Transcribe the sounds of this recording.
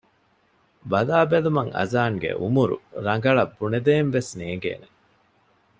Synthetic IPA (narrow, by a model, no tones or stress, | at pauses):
bɐlaːbelumɐŋɐ̰zaːŋɡḛʔumuɾṵɾɐŋɡɐɭɐbːuned̪eːnʋesneːŋɡḛːne